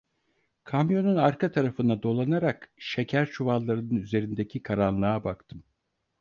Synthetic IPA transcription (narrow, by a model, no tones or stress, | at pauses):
kʰamjo̞nunaɾkʰat̪ʰaɾafɯnd̪ad̪o̞lˠanaɾakʃe̞cʰæɾt͡ʃʰuvalˠːaɾɯnɯnyze̞ɾind̪ecʰikʰaɾanlˠaabakt̪ʰɯm